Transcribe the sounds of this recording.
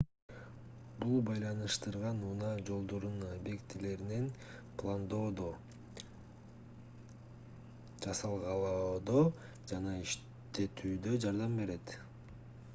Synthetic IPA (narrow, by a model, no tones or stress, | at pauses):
bulˠbɑjlˠɑnɯʃt̪ɯɾʁɑnunɑd͡ʒo̞lˠd̪oɾunbe̞kt̪ʰile̞ɾinen | plˠand̪o̞ːd̪o | d͡ʒɑsɑlˠʁɑlˠod̪o | d͡ʒɑnɑiʃ | t̪e̞t̪ʰyːd̪ø̞d͡ʒɑɾd̪ɑmbe̞ɾe̞t̪